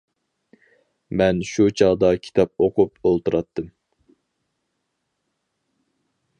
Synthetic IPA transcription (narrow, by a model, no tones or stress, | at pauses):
mɛnʃut͡ʃʰɑʁd̪ɑkʲʰi̥t̪ʰɑp̚oqʰupolˠt̪uɾʔɑt̪ʰːɨm